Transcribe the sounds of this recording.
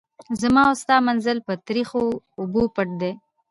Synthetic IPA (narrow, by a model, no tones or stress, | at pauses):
zamɑʊst̪ɑːmanzəlpət̪ɾixoː | bupəʈ̚d̪e